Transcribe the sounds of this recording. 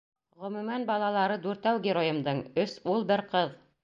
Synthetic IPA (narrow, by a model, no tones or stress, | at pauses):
ʁɵ̆mʉmænbɑlˠɑlˠɑɾɤd̪ʉɾt̪æwɡʲɪɾojɤ̆md̪ɤɴɵsulˠbɘɾqɤð